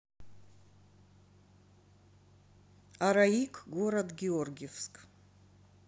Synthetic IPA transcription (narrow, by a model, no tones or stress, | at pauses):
aɾaikʷʰʼɡoɾad̪ɡʲeorɡʲefskʼ